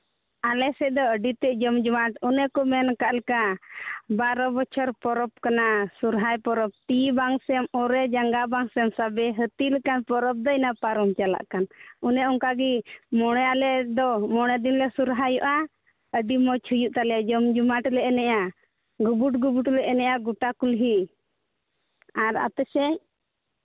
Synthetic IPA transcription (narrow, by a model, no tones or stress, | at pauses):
alɛsɛd̪ɔəɖit̪ɛʔd͡ʒɔmd͡ʒumaʈunɛkɔmɛnkaʔlɛka | baɾɔbɔt͡ʃʰɔɾpɔɾɔpkanasuɾɦajpɔɾɔp̚t̪ibaŋsɛmɔɾɛd͡ʒaŋɡabaŋsɛmsabɛɦət̪ilɛkanpɔɾɔp̚d̪ɔnapaɾɔmt͡ʃala̰ʔkanunɛɔŋkaɡimɔɽ̃ɔjalɛd̪ɔmɔɽ̃ɛd̪inlɛsuɾɦajɔʔa | əɖimɔt͡ʃʰujuʔt̪alɛjad͡ʒɔmd͡ʒumaʈlɛɛnɛja | ɡubuʈ̚ɡubuʈlɛʔɛnɛʔjaɡuʈakulɦi | aɾa̰t̪ɛsɛ